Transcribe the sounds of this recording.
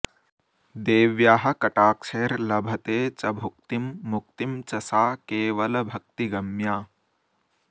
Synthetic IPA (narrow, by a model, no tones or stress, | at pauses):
d̪eːʋjaːɦɐ̆kɐʈaːkʂeːɐɾlɐbʱɐt̪eːt͡ʃɐbʱuk̚t̪imːuk̚t̪imt͡ʃɐsaːkeːʋɐlɐbʱɐk̚t̪iɡɐmjaː